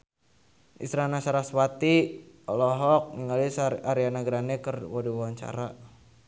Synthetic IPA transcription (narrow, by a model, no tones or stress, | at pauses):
ḭst̪ɾanasaɾaswat̪iɔlɔɦɔk̚ŋiŋalisaɾianaɡɾanɛkərwɔdiwawaɲt͡ʃa̰ɾa